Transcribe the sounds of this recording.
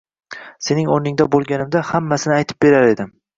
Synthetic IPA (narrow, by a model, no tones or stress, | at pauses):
se̞nɪŋoɾnɪŋd̪abolˠɡʲanɪmd̪ahamːasɪnɪajt̪ʰɪ̥p̚be̞ɾaɾe̞d̪ɪm